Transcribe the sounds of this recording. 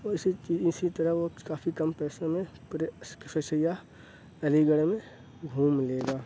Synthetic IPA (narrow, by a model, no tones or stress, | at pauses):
oɪsit͡ʃiːɪsit̪əɾəɦʋokaːfʰikɐmpɛːsãmẽpɾsksəsəja | ɐliɡəɽmẽ | ɡʱuːmleːɡaː